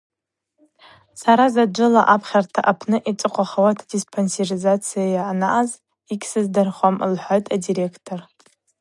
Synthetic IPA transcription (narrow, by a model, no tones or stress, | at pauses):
saɾazad͡ʒʷɨlaʔapʰχʲartʰaʔapʰnɨʔit͡sʼɨqʷʼaχawatʰadispʰonserizat͡sʰijajaːnaʔaz | ikʲsɨzdɨrχʷamlħʷojtʼadiɾe̞kʰtʰor